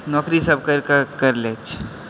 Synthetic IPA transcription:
nɔkɾisəb̚kəɾkkəɾlet͡ʃʰ

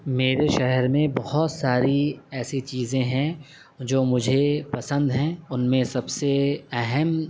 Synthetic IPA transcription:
meːɾeʃɛɦɛɾmẽbɐhɔt̪saːɾiɛːsit͡ʃiːzẽɦɛ̃ | d͡ʒoːmʊd͡ʒʱepɐsə̃nd̪ɦɛ̃ːʊnmẽsɐbseɛɦɛm

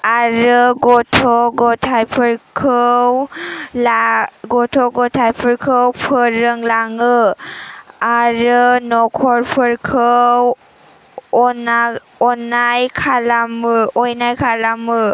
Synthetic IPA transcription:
aɾɯɡɔtʰɔɡɔtʰajpʰɯɾkʰɯwlaɡɔtʰɔɡɔtʰajpʰɯɾkʰɯwpʰɯɾɯŋlaŋɯ | aɾɯnɔkʰɔɹpʰɯɾkʰɯw | ɔna | ɔnajkʰalamɯɔjnajkʰalamɯ

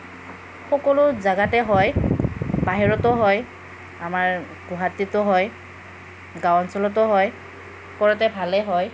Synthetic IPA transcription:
xɔkɔlʊzaɡatɛɦɔj | baɦiɹɔtɔɦɔj | amaɹ | ɡuɦatitɔɦɔj | ɡawɔnsɔlɔt̬ɔɦɔj | kɔɹɔtɛbʱalɛɦɔj

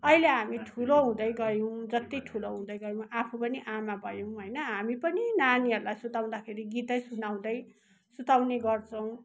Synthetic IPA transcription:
ʌileɦamiʈʰuloɦũd̪ʌjɡʌjow̃d͡zʌt̪iʈʰuloɦũd̪ʌjɡʌjõw̃ʔapʰupʌniʔamabʱʌjow̃ɦojnʌɦamipʌninaniʌɾulajsut̪aw̃d̪akʰeɾiɡit̪ʌjsunaw̃d̪ʌj | sut̪awneɡʌrt͡sʰʌw̃

